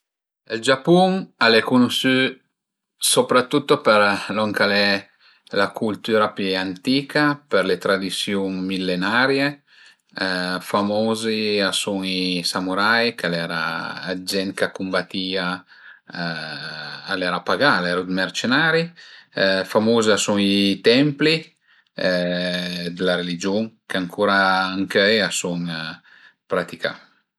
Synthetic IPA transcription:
eld͡ʒapuŋalɛkunusy | sopɾat̪ːut̪ːopeɾlɔŋkalɛ | lakult̪yːɾapant̪iːkapeɾlet̪ɾad̪isjuŋmilːenaɾje | famoːziasuŋisamuɾajkalɛːɾa̰ːd͡ʒɛnt̪kakumbat̪iːa | alɛɾapaɡaːlɛɾud̪mɛɾt͡ʃenaɾi | famuːziasuŋit̪ɛmpli | d̪əlaɾelid͡ʒuŋkaŋkʰuːɾaaŋkeasuŋ | pɾat̪ika̰

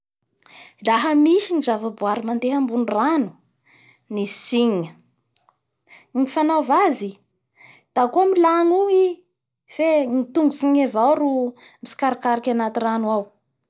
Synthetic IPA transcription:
laɦəmiʃinizavabuaɾimand̪eɦambunranu̥ | nisiɲə | ŋifanavazi | d̪̥akomilaŋui | femit̪uŋɡusiɲevawɾu | misi̥kaɾakaɾakʲanat̪iranwaw

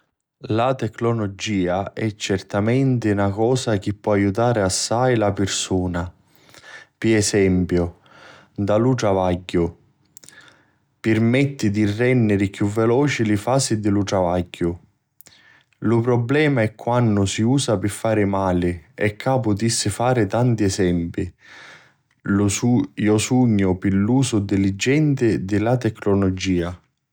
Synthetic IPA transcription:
lat̪ɛkːnolɔd͡ʒiːaʔɛt͡ʃːɛrt̪amɛnt̪ɪunakɔːsak̟ipːɔajut̪aːɾɪasːajlapɪrsuːna | piɛsɛmpjʊ | d̪aluʈ̪ɾavaɟːʊ | pɪrmɛt̪ːid̪irːɛnːɪɾɪkjuvːɛlɔːt͡ʃilɪfaːsid̪ɪluʈ̪ɾavaɟːʊ | lʊpɾɔblɛːmaɛkʰːwanːʊsiuːsapɪfːaːɾɪmaːlɪɛkʰːaːpʊt̪isːɪfaːɾɪt̪ant̪iɛsɛmpi | jɔsuɲːʊpɪlːuːsʊd̪ɪlid͡ʒːɛnt̪ɪd̪ɪlat̪ɛkːnɔlɔd͡ʒiːa

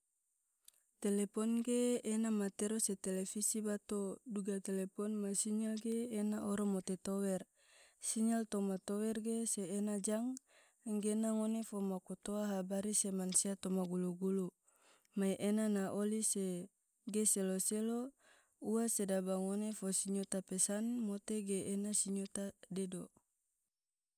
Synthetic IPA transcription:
t̪elepɔnɡeːnamat̪eɾoset̪elefisibat̪oduɡat̪elepɔnmasiɲɛlɡeːnaʔɔɾomot̪et̪owɛr | siɲɛlt̪omat̪owɛrɡeseːnad͡ʒaŋ | ŋɡenaŋonefomakot̪oaɦabaɾisemansiat̪omaɡuluɡulu | majʔenanaʔolise | ɡeseloselo | uasedabaŋonefosiɲot̪apɛsanmot̪eɡeʔːnasiɲot̪adedo

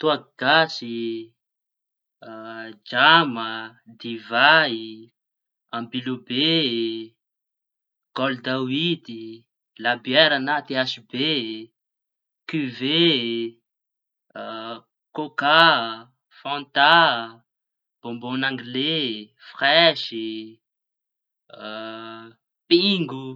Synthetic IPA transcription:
t̪uaɡ̥asi | d͡ʒamə | d̪ivai | ambilube | ɡ̥ɔld̪awid̪i | labjɛɾanat̪easibe | kyve | koka | fɔ̃nt̪a | b̥ombonaŋɡile | fχɛʃi | piŋɡu

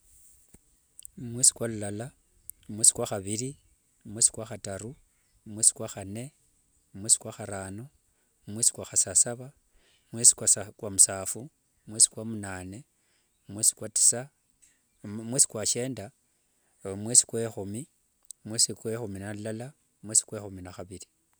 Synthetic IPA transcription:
mwesi̥kwalulala | mwesi̥kwaxaβili | mwesi̥kwaxataɾu | mwesi̥kwaxane̞ | mweːsi̥kwaxaɾaːno | mwesi̥kwaxasasaβa | mwesi̥kwasakwamusaːfu | mwesi̥kwamunaːne̞ | mwesi̥kwati̥sa | mweːsi̥kwat͡ʃe̞ːnda | mwesi̥kwexumi | mwesikwexuminalulala | mweːsi̥kwexuminaxaβiɾi

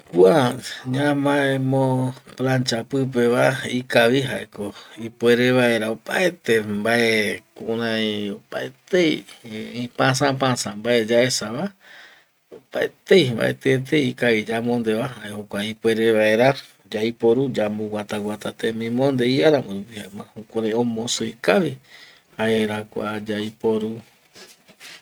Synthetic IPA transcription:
kuaɲãmaemõplãnt͡ʃapɨp̬eβaikaβiɦaekoipʷeɾeβaeɾaopaet̪embaʔekuɾãiopa̰et̪ejĩpãs̬ãpãsãmbaed͡ʒaesaβa | opaḛt̪ejmba̰ḛt̪eet̪̬eikaid͡ʒamond̪eβahaehokʷaipweɾeβae̞ɾa | d͡ʒaipoɾud͡ʒambuwat̪awat̪at̪emĩmõnd̪eiaɾamoɾupihamãhukʷaɾẽõmõsuikai | haeɾakʷa̰d͡ʒajpoɾu

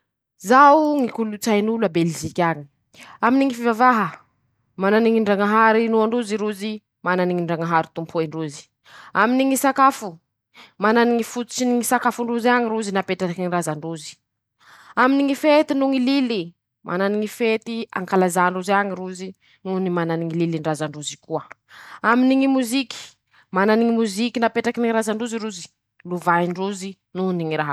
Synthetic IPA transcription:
zawuŋikulut͡sajnulabelzikʲaɲi̥ | aminiŋifivavaɦə | mananiŋiɳɖ͡ʐaŋaɦaɾinuaɳɖ͡ʐuziɾuzi | mananiŋiɳɖ͡ʐaŋaɦaɾit̪umpʰueɳɖ͡ʐuzi̥ | aminiŋisakafu | mananiŋifut̪u̥t͡ʃiniŋisakafuɳɖ͡ʐuziaŋiɾuzinapeʈ͡ʂaakiɲirazaɳɖ͡ʐuzi̥ | aminiŋifet̪inuŋilili | mʔa̰naniŋifet̪ia̰ŋkalazaɳɖ͡ʐuzaɲiruzi | nunimananiŋililiɳɖ͡ʐazaɳɖ͡ʐuzikuə | aminiŋimuziki̥ | mananiŋimuzikinapeʈ͡ʂakiniɾazaɳɖ͡ʐuziɾuzi̥ | luvaiɳɖ͡ʐuzi | nuniŋiɾaɦa

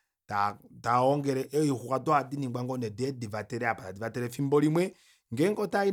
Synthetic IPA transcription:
tataɔŋɡɛɾɛʔɛixukadwadiniɡaŋɡɔnɛdɛdivatɛɾɛapatadivatɛɾɛfimbɔɾimwɛ | ŋɡɛŋɡɔtai

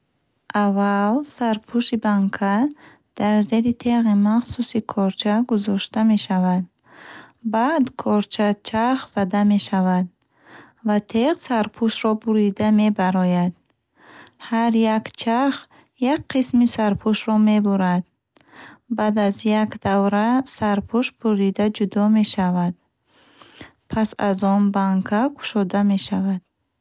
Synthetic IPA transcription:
ʔavalsaɾpʰuʃibaŋkʰa | d̪̥aɾze̞ɾit̪ʰeʁimaχsusikʰɔɾt͡ʃʰaɡuzɔʃt̪ame̞ʃavad̪ | bad̪kʰɔɾt͡ʃʰat͡ʃʰaɾχz̥ad̪ame̞ʃavad̪̚ | vat̪ʰeʁsaɾpʰuʃɾɔbuɾid̪ame̞baɾɔjad̪ | haɾjakt͡ʃʰaɾχ | jak̚qismisaɾpʰuʃɾɔme̞buɾad̪ | bad̪azjakd̪avɾasaɾpʰuʃbʰuɾid̪ad͡ʒud̪ɔme̞ʃavad̪ | pʰasa̰zɔnbaŋkʰakʰu̥ʃɔd̪ame̞ʃavad̪̥

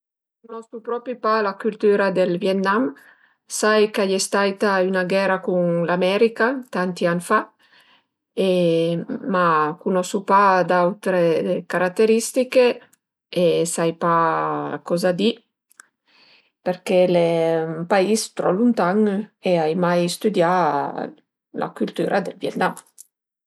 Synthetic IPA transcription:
kunɔskupɾɔpɾipalakylt̪yɾad̪elvjɛt̪nam | sajkajest̪ajt̪aynaɡɛɾakuŋlamɛɾikat̪ant̪ianfa | e | makunɔsupad̪awt̪ɾekaɾat̪ːeɾist̪ike | esajpakɔzad̪i | peɾkelepaist̪ɾɔlunt̪aŋeajmajst̪yd̪ja | lʔa̰kylt̪yɾʔad̪elvjɛt̪nam

